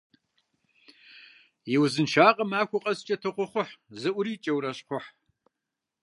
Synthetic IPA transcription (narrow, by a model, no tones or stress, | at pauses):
jɪwzɨnʃaːqʼɐmaːxʷʊqʼɐst͡ʃʼɐtʰɨqʷʊχʷʊħzɨʔʷʊɾiːt͡ʃʼɐwɾɐɕqʷʊħ